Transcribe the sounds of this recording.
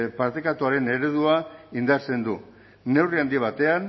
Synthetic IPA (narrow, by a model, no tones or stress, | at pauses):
paɾt̪ekat̪uaɾe̞ne̞ɾe̞ð̞uaind̪aɾt͡se̞nd̪uː | e̞wriand̪iβ̞at̪e̞an